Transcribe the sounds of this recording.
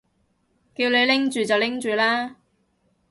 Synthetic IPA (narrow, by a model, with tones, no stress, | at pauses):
kiː˧wle˨˧jlɪ˥ŋt͡ʃyː˨t͡sɐ˨wlɪ˥ŋt͡ʃyː˨laː˥